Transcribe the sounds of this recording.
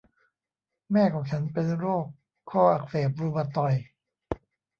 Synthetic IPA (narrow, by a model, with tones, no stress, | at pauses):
mɛː˥˩kʰɔː˨˦˥ŋt͡ɕʰa˦˥npe˧nɾoː˥˩kʰː | ɔː˥˩ʔa˨˩k̚seː˨˩p̚ɾuː˧ba˧t̪ɔ˨˩j